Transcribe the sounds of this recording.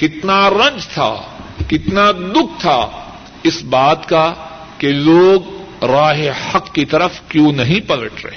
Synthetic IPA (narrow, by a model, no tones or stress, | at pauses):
kɪt̪naɾɐ̃nd͡ʒt̪ʰa̰ːkɪt̪nad̪ʊk̚ʰt̪ʰaː | ɪsbaːt̪ka | keloːɡ | ɾaːɦehɐkːit̪ɐɾəfkjũːnɐɦĩpɐləʈʰɾɐ̰ɦeː